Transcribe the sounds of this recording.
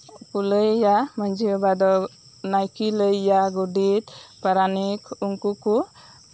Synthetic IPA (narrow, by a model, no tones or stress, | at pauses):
kuləjjamaɲd͡ʒiɔbad̪ɔ | najkiləjːaɡuɖit̪paɾanikuŋkuku